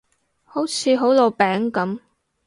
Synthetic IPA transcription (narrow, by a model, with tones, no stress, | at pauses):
ho˨˥wt͡sʰiː˨˥ɦo˨˥wlo˨˧pɛː˨˥ŋkɐ˨˥m